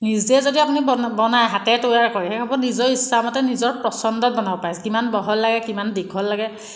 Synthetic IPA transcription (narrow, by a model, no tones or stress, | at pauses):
niziɛzodiapunibɔnajɦatɛtojaɹkɔɹiɦɛkʰɔbɔnizɔɹisːamɔtɛnizɔɹpɹɔsɔndɔt̚bɔnabpajskimanbɔɦɔlːaɡɛkimandikʰɔlːaɡɛ